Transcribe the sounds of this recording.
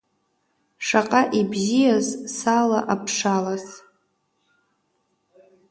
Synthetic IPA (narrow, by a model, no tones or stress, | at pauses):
ʂaqʼaʔibzijazsala̰ʔapʰʂalas